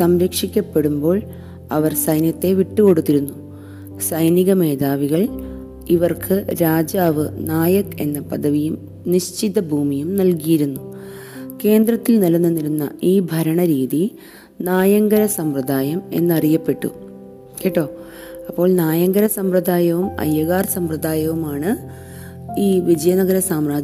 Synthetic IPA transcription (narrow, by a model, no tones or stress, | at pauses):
sɐmɾɐkʂikʲːɐpːe̞ɽumbo̞ːɭ | ɐ̰ʋɐrsɐjnjɐt̪ːe̞ʋiʈːɨko̞ɽut̪ːiɾunːu | sɐjniɣɐme̞ːd̪aːʋiɣɐɭ | iʋɐrkʰɨɾaːd͡ʑaːʋɨnaːjɐkːe̞̰nːɐpɐd̪ɐʋijum | niɕt͡ɕid̪ɐbʱuːmijumnɐlkijiɾunːu | ke̞ːnd̪ɾɐt̪ːilnɐlunːɐnilunːɐ̰iːbʱɐɾɐɳɐɾiːði | naːjɐŋɡɐɾɐsɐmprɐd̪aːjɐme̞̰nːɐrijɐpːe̞ʈːṵ | keːʈːo̞ː | ɐpːo̞ːɭnaːjɐŋɡɐɾɐsɐmprɐd̪aːjɐʋumɐ̰jːɐɣaːrsɐmprɐd̪ʱaːjɐʋumaːɳɨ | iːʋid͡ʑɐjɐnɐɣɐɾɐsaːmraːd͡ʑ